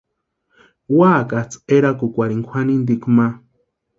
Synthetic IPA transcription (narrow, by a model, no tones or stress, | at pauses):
waːkat͡seɾakukʷaɾiŋkʷʰwanĩnd̪ikma